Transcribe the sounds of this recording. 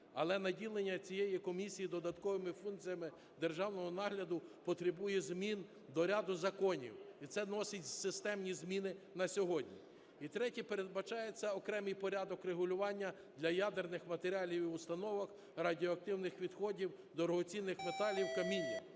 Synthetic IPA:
ɐ̰lˠɛnɐdʲilˠenʲːɐt͡sʲijejikɔmʲisʲijid̪ɔd̪ɐt̪kɔʋɪmɪfunt̪t͡sʲijɐmɪ | d̪erʒɑwnɔɦɔnɑɦlʲɐd̪ʊpɔt̪ɾɪbujɛzmʲin | d̪ɔɾʲɑd̪ʊzɐkɔnʲḭwit̪sɛnɔsɪtʲzsɪst̪ɛmnʲizmʲinɪnɐsʲɔɦɔdʲnʲḭ | it̪ɾɛtʲipeɾe̞d̪̚bɐt͡ʃɑjet͡sʲːɐɔkɾɛmɨjpɔɾʲad̪ɔkreɦʊlʲʊʋɑnʲːɐ | d̪lʲɐjad̪ernɪxmɐt̪eɾʲɑlʲiwiʊst̪ɐnɔʋɐx | rɐdʲiɔɐkt̪ɪwnɪxʋʲid̪xɔdʲiw | d̪ɔɾɔɦɔt͡sʲinːɪxmet̪ɑlʲiwkɐmʲinʲːi

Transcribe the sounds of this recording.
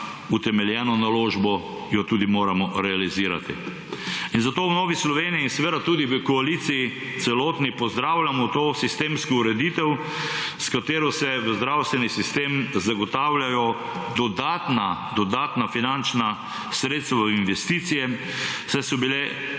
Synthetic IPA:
ut̪ɛmɛljɛːnɔnaloːʒbɔ | jɔt̪uːd̪imoːɾamɔɾɛaliziːɾa̰t̪ḭ | inzat̪ownɔːʋislɔʋeːniiːnsɛʋed̪at̪ud̪iʋəkɔalit̪siji | t̪sɛloːt̪nipɔzd̪ɾaːwlʲamɔt̪oːsist̪eːmskɔuɾɛd̪iːt̪ɛw | skat̪eːɾɔsɛʋəzd̪ɾawst̪ʋɛnisist̪emzaɡɔt̪awlʲjajɔ | d̪ɔd̪aːt̪nad̪ɔd̪aːt̪nafinant͡ʃna | sɾeːt̪st̪ʋainʋɛst̪iːt̪sijɛ | sɛsɔbile

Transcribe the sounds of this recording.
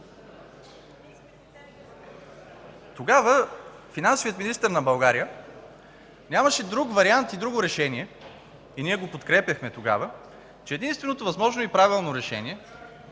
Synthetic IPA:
t̪oɡavəfinansovijət̪minist̪əɾnɐbɐlˠɡaɾijə | nʲamɐʃɛd̪ɾukvɐɾiant̪id̪ɾuɡoɾɛʃɛniɛ | iniɛɡopot̪kɾɛpjɐxmɛt̪oɡa̰və | t͡ʃɛːd̪inst̪vɛnot̪ovɐzmɔʒnoipɾavilˠnoɾɛʃɛ̰niɛ

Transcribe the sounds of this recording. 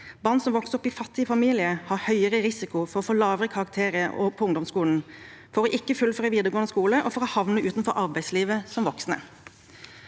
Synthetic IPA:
bɑʁnsɔmʋɔksɔpːɪfɑt̪ːɪəfɑmiːlɪəhɑːhœʏəʁəʁɪsɪkʊfɔɾɔfoːlɑːʋʁəkʰɑɾɑk̚t̪ʰeːɾəʔɔ̰pʰɔʊŋd̪ɔmskuːln̩ | fɔɾɔʔɪkːəfʉlfɔʁɛʋiːd̪əʁɡoːənəskuːləʔɔfɔɾɔhɑʋnəʔʉːt̪nfɔɾʔɑʁbæɪsliːʋəsɔmʋɔksnə̰

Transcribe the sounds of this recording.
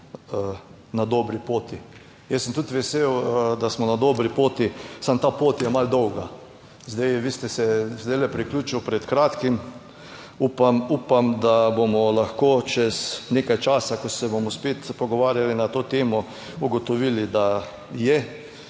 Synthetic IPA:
nad̪oːbɾipoːt̪i | jɛsːəmt̪ut̪ʋɛseːwd̪asmɔnad̪oːbɾipoːt̪isamt̪aːpoːt̪jɛmald̪ɔwɡa | zd̪ɛjʋiːst̪ɛsɛzd̪ɛɪlɛpɾiklʲuːt͡ʃiwpɾɛt̪kɾaːt̪kim | upamuːpamd̪abomɔlaxkoːt͡ʃɛzneːkajt͡ʃaːsakɔsɛbomɔspeːt̪pɔɡɔʋaːɾjalinat̪oːt̪eːmɔ | uɡɔt̪ɔʋiːlid̪a | jɛ

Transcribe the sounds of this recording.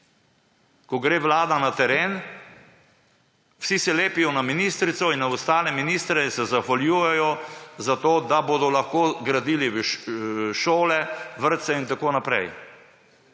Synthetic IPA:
kɔɡɾeːʋlaːd̪anat̪ɛɾeːn | wsisɛleːpijɔnaminist̪ɾit̪sɔinnaɔst̪aːlɛminist̪ɾɛsɛzaxʋaljuːjɛjɔzat̪oːd̪aboːd̪ɔlaxkoːɡɾad̪iːliʋʃʃoːlɛʋəɾt̪sɛint̪akoːnapɾɛj

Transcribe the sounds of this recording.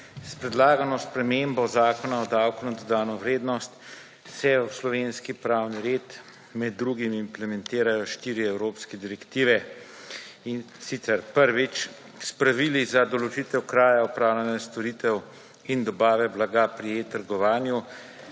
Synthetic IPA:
spɾɛd̪laːɡanɔspɾɛmeːmbɔzaːkɔnaɔd̪aːwkunad̪ɔd̪aːnɔʋɾeːd̪nɔst̪ | sɛwslɔʋeːnskipɾaːwniɾeːt̪ | mɛd̪̚dːɾuɡimimplɛmɛnt̪eːɾajɔʃt̪iːɾiɛwɾoːpskɛd̪iɾɛkt̪iːʋɛ | in | sit̪sɛɾpəɾʋit͡ʃ | spɾaʋilizad̪ɔlɔt͡ʃit̪ɛwkɾaːjaɔpɾaːwlʲanast̪ɔɾiːt̪ɛw | ind̪ɔbaːʋɛblaɡapɾit̪əɾɡɔʋaːnju

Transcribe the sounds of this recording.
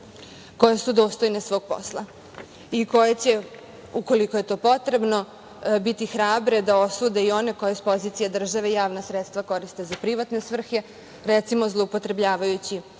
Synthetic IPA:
ko̞jesud̪o̞ːst̪o̞jne̞sʋo̞ːɡ̥̚po̞̰slˠa | iko̞jet͡ɕe̞ | uko̞liko̞je̞t̪o̞ːpo̞t̪ɾe̞bno̞ | bit̪ixɾaːbɾe̞d̪ao̞suːd̪e̞io̞ne̞ko̞jespo̞zit̪sijad̪r̩ʒaʋeijaːʋnasɾet̪st̪ʋako̞ɾist̪e̞zapɾiʋat̪ne̞sʋr̩xe̞ | ɾet̪simo̞zlˠoupo̞t̪ɾe̞bʎaːʋajut͡ɕi

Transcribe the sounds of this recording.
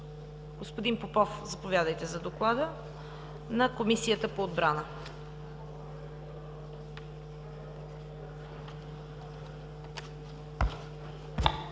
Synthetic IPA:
ɡ̥ospod̪inpopɔfzɐpovʲjad̪əjt̪ɛzɐd̪oklˠad̪ə | nɐkomisijət̪əpoːd̪̚bɾanə

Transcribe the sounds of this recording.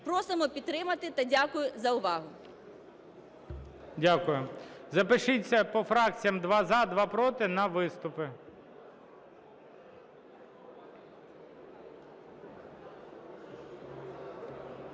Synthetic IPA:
pɾɔsɪmɔpʲit̪t̪ːɾɪmɐt̪ɪt̪ɐdʲakʊjʊzɐʊʋɑɦʊ | dʲakʊjʊzɐpɪʃɪt͡sʲːɐpɔfɾɑk̚t͡sʲijɐmd̪ʋɑzɑd̪ʋɑpɾɔt̪ɪnɐʋɪst̪ʊpɪ

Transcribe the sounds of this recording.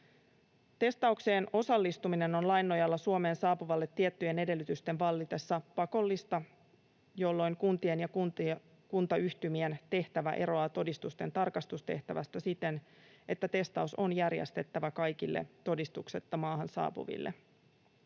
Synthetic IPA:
t̪e̞st̪ɑukse̞ːno̞sɑlːist̪umine̞no̞nlɑjnːo̞jɑlːɑsuome̞ːnsɑːpuʋɑlːet̪ːiet̪ːyje̞ne̞de̞lːyt̪yst̪e̞nʋɑlːit̪e̞sːɑpɑko̞lːist̪ɑ | jo̞lːo̞jŋkunt̪ie̞njɑku | kunt̪ɑyçt̪ymie̞nt̪e̞ht̪æʋæ̰ʔe̞ɾo̞ɑːt̪o̞dist̪ust̪e̞nt̪ɑrkɑst̪ust̪e̞ht̪æʋæ̰st̪æsit̪e̞n | ʔe̞t̪ːæt̪e̞st̪ɑuso̞njærjḛst̪e̞t̪ːæʋækɑjk̟ilːʔḛt̪o̞dist̪ukset̪ːɑmɑːɦɑnsɑ̰ːpṵʋḭlːe

